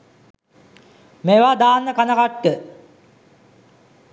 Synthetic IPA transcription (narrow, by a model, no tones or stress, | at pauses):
meʋad̪aːnːəkanəkaʈːə